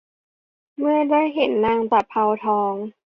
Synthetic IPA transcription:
mɯ˥˩ɐdaː˥˩jɦe˨˩˦nːaː˧˩ŋt͡ɕa˨˩pʰːa˧wt̪ʰɔː˧˦˥ŋ

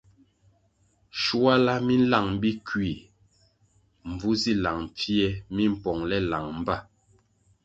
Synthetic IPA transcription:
ʃu˦a˦la˦mi˦n̩˦la˦˨ŋ˨bi˦kɥi˨ | m̩˨b͡vu˦zi˦la˨ŋp͡fjɛ˦mi˦m̩˨pɔ˨ŋlɛ˦la˨ŋm̩˦ba˦˨

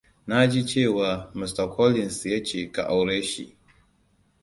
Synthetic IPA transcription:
na˦d͡ʒi˦t͡ʃeː˦˨wa˨mi˨sta˨kʰɔ˦li˨nsjɛ˦t͡ʃe˨ka̰˨ʔa˨wɾe˦ʃḭ˨

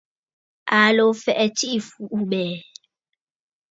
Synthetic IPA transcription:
a˨lo˨fɛ˨ʔɛ˨t͡ʃi˦ʔi˨fu˨ʔu˦mɛː˨

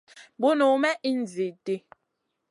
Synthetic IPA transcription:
bo˦no˨˦mɛ˦ʔi˦n̩˨zi˨te˨

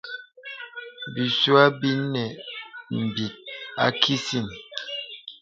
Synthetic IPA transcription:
bi˨su˦a˦bi˦nɛ˨m̩˨bi˨t̚a̰˦kʰi˦si˦˨n

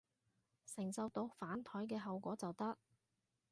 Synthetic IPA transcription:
sɪ˨˩ŋsɐ˨˧wt̪o˧wfaː˨˥nt̪ʰɔː˨˥jkɛː˧ɦɐ˨wkʷɔː˨˥t͡sɐ˨wt̪ɐ˥k̚

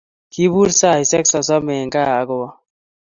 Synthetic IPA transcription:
ki˦bu˦ɾsa˦˨i˨sɛ˦ksɔ˨s̬ɔ˦me˨ŋkaː˦˨ɡo˨wa˦

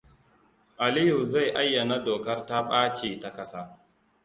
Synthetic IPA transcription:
ʔa˨li˦ju˨za˦˨jʔa˦jːa˨na˦doː˨kɐ˦rta˦ɓaː˦t͡ʃiː˨ta˨kɐ˦sa˦

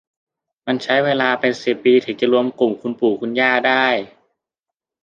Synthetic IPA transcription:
ma˧nt͡ɕʰa˦˥jweː˧laː˧pe˧nsi˨˩pːiː˧t̪ʰiː˨˩t͡ɕa˨˩ɾu˧əmku˨˩mkʰu˧npuː˨˩kʰu˧njaː˥˩daː˥˩j

